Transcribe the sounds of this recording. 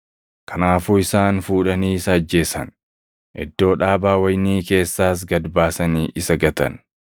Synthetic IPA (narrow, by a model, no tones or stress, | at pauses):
kɐnaːfuːɪsaːnfuːᶑɐniːsɐɐd͡ʒːe̞ːsɐ̰n | ʔɛ̰d̪ːo̞ːᶑaːbaːwɐjniːke̞ːsːaːs̬ɡɐd̪baːsɐniːʔɪsɐɡɐt̪ɐ̰n